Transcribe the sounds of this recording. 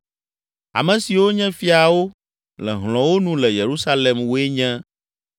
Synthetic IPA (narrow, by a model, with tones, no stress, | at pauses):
a̰˨mɛ̃˨si˨wo˦ɲɛ̃˦fi˦a˨wo˦ | lɛ̰˨ɦlɔ̃˨wo˦nũ˦lɛ˨je˨ɾu˦sa˦lɛ˨mwo˦e˦ɲɛ̃˦